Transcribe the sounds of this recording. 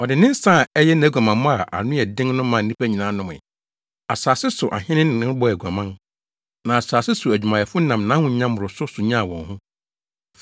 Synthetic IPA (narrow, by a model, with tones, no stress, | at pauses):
ɔ˨dɪ˨nɪ̃˦n˦sa˦˨ɛ˦jɛ˦n˨˦ɡʷa˨mã˨mʊ̃˦a˨ʔa̰˨nʊ̃˦ɛ˨dɪ̃˦ŋnʊ̃˦mã˨n̩˦nĩ˦pʰæ˦ɲĩ˨nãː˨˦nʊ̃˦m˨ɪ̰˨ | a˨saː˨sɪ˦sʊ˨ʔa̰˨hɪ̃˦nɪ̃˦n˨nɪ̃˦bɔ˦æ˨ɡʷu˨a˨mã˦n | nã˨a˨saː˨sɪ˦sʊ˨æ˨d͡ʑᶣu˨mã˨ɛ˨fʊ˦nã˨mnã˦hʊ̃˦ɲã˦mː˦ʊ˨ɾʊ˨sʊ˦sʊ˨ɲã˦a˨wɔ̃˨nhʊ̃˦